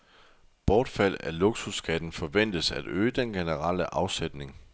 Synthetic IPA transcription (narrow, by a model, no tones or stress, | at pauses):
b̥ɒːd̥fæl̰æloɡ̥susɡ̥ʰæd̥n̩fɒ̽ʋen̰d̥əsæd̥øːəd̥enɡ̥e̝nəʁɑ̈l̰əʔɑ̈ʊsed̥ne̝ŋ